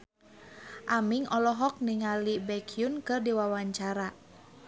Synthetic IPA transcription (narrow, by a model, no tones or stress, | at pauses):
ʔamiŋɔlɔɦɔk̚niŋalibɛkʰiunkɨrdiwawaɲt͡ʃaɾa